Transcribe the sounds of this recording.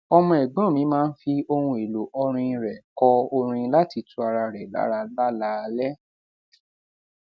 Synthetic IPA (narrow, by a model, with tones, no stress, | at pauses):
ɔ˧mɔ̃˧ɛ˨ɡ͡bɔ̃˦˨mĩ˨˦mãː˦n̩˦fi˧o˧hũ˧e˨lo˨ʔɔ˧ɾ̃ĩ˧ɾɛ˨kɔ˧o˧ɾ̃ĩ˧˦la˦ti˧tu˧˦a˧ɾa˧ɾɛ˨la̰˦ɾa˧la˦la˨˦˧lɛ˦